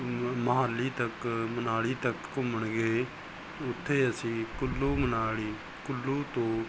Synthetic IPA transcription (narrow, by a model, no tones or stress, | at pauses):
məɦaːlːiːt̪əkmənaːɽiːt̪əkːʊməɳɡeː | ʊt̪ʰːeːəsĩːkʊlːuːmənaːɽiː | kʊlːuːt̪õː